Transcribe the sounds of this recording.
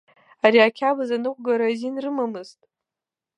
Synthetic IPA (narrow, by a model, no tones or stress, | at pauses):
aɾiakʲʰabazanɨkʷʼɡaɾazinrɨmamɨztʼ